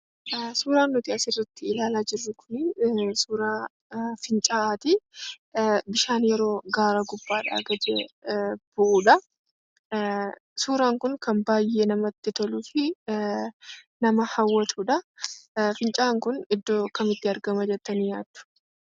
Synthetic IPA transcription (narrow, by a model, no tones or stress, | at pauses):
suːɾaːnːʊt̪ɪɐsɪrːɐt̪ːɪɪlaːlaːd͡ʒɪrːʊkʰʊ̥nisuːɾaː | fɪnt͡ʃʼaːʔaːt̪i | bɪʃaːnjɛɾo̞ːɡaːɾɐɡʊbːaːᶑa̰ːɡɐd͡ʒɛb̥ʊʔuːᶑɐ | suːɾaːŋkʊnkʰɐmbaːjːeːnɐmɐt̪ːɪt̪ɔluːfɪ | nɐmɐhɐwːɐt̪ʰuːᶑɐ | fɪnt͡ʃʼaːŋkʊnɪd̪ːoːkɐmɪt̪ːɪɐɾɡɐmɐd͡ʒɛt̪ːɐnijaːd̪ːʊ̥